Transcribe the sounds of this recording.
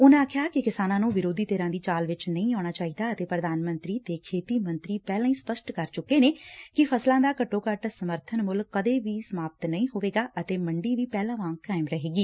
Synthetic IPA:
ʊnãaːkʰjaːkɪkɪsaːnãːnũːʋɪɾoːd̪iːt̪eːɾãːd̪iːt͡ʃaːlʋɪt͡ʃnəĩːaːɽ̃aːt͡ʃaːiːd̪aːət̪eːpɾəd̪aːnmənt̪ɾiːt̪eːkʰeːt̪iːmə̃nt̪ɾiːpɛːlãːĩːspəsʈkəɾt͡ʃʊkːeːneːkɪpʰəslãːd̪aːkəʈːoːkəʈsəməɾt̪ʰənmʊlkːəd̪eːʋiːsəmaːpət̪nəĩːɦoːʋeːɡaːʔət̪eːməɳɖiːʋiːpɛːlãːʋãːŋkːaːɪmɾəɦeːɡiː

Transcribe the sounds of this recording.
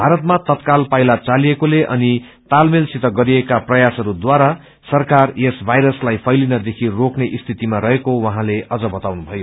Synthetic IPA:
bʱaɾʌt̪mat̪ʌt̪kalpajlat͡salijekoleʔʌ̰ni | t̪almilsit̪ʌɡʌɾiekaprʌjasɦʌɾud̪waɾa | sʌrkarjesbʱajɾʌslajpʰʌjlinʌd̪ekʰirokneʔist̪ʰit̪imaɾʌɦekowʌɦãleʔʌd͡zʌbʌt̪awnubʱʌjo

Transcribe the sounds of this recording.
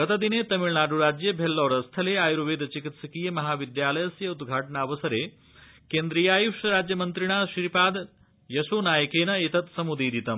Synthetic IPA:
ɡɐt̪ɐd̪ineːt̪ɐmiɭnaːɖuɾaːd͡ʒjebʱelːɔːɾɐst̪ʰɐleaːjɾuʋeːd̪t͡ʃikit̪sɐkijɐmɐɦaːʋid̪jaːlɐjɐsjɐud̪ɡʱaːʈɐɳaːʋɐsɐɾeː | keːnd̪ɾiːjaːjuʂɐɾaːd͡ʒjɐmɐnt̪ɾiɳaːʃiɾipaːd̪ | jɐsoːnaːjɐkeːnɐit̪ɐt̪sɐmud̪iːɾit̪ɐm

